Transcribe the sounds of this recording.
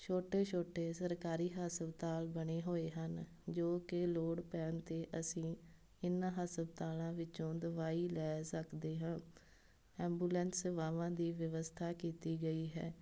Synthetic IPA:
ʃʰoːʈeːt͡ʃʰoːʈeːsəɾkaːɾiːɦaːsəbt̪aːlbəɽ̃eːɦoːeːɦən | d͡ʒoːkɪloːɽpɛːnt̪eːʔəsĩː | ɪnãːɦaːsəbt̪aːlãːʋɪt͡ʃõːd̪əʋaːiːlɛːsəkʰd̪eːɦãː | ɛ̃ːmbuːlɛ̃nsʋaːʋãːd̪iːʋəʋəst̪ʰaːkiːt̪iːɡəiːɦɛ̰ː

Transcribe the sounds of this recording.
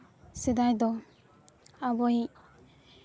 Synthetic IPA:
sed̪ajd̪ɔ | abɔji

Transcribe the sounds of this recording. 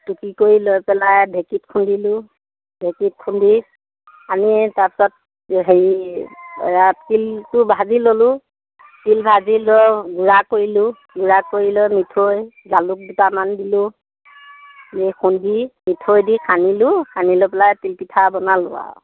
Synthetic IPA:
tukikoɹilojpɛlajbʱekitkʰundilʊ | bʱekit̚kʰundi | anitaɹpi̥sɔt̚ | ɦeɹi | jatkiltʊbʱazilolʊ | tilbʱazilɔɡuɹakoɹilʊ | ɡuɹakoɹilɔmitʰoj | zalʊk̚dutamandilʊ | zekundimitʰojdikʰanilʊkʰanilopɛlajtilpitʰabɔnalʊwa̰

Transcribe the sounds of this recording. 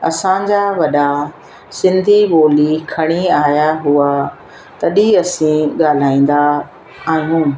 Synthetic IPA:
ɐ̰sãd͡ʑaʋɐɗa | sɪ̃nd̪ʱiɓoːlikʰɐɽ̃iaːjaɦʊa | t̪ɐɗiɐsĩɠaːl̤aːĩːn̆d̪a | aːɦijũː

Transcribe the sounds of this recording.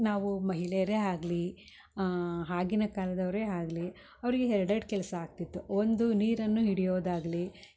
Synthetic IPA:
naːʋumɐɦilejɐɾe̞ːaːɡli | ɦaːɡinɐkaːlɐd̪ɐʋɾeːaːɡli | ɐʋɐɾiɡeɦɛɾɐɖɐɖ̚kɛlɐsɐaːɡ̚t̪it̪ːuond̪uniːɾɐnːuɦiɽijoːd̪aːɡɐli

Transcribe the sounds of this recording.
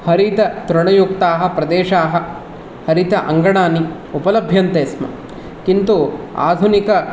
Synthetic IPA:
hɐɾit̪ɐt̪ɾɐɳɐjukt̪aːɦɐ̆pɾɐd̪eːʃaːɦɐ̆ | hɐɾit̪ɐʔɐ̰ŋɡɐɳaːni | upɐlɐbʱjɐnt̪eːsmɐ̰ | kint̪ua̰ːd̪ʱunikɐ

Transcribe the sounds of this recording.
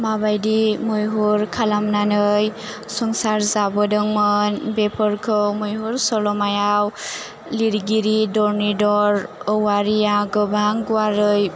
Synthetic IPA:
mabajdimɔjɦuɾkʰalamnanɯj | sɔŋsaɾzabɔdɯŋmɔnbepʰɔɾkʰɯmɔjɦuɾsɔlɔmajaw | liɾɡiɾidɔɾnidɔɾɔwaɾijaɡɯbaŋɡuwaɾɯj

